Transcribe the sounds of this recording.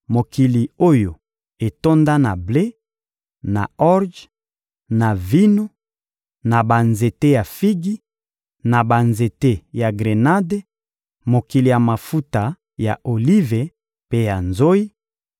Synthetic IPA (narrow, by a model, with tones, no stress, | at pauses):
mo˨ki˨li˨o˦jo˨ | e˨to˦nda˦na˨ble˦ | na˨ɔ˦ʁd͡ʒ | na˨vi˦no˦ | na˨ba˨nze˨te˦ja˨fi˦ɡi˦ | na˨ba˨nze˨te˦ja˨ɡʁe˨na˦de˦ | mo˨ki˨li˨ja˨ma˨fu˦ta˨ | ja˨ʔo˨li˦ve˨ | pe˦ja˨nzo˦i˦